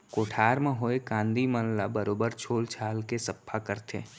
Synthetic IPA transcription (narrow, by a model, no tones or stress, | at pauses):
koːʈʰaːɾmẽɦoːekãːnd̪imənlabəɾoːbəɾt͡ʃʰoːlt͡ʃʰaːlkesɐpʰːakəɾt̪ʰḛː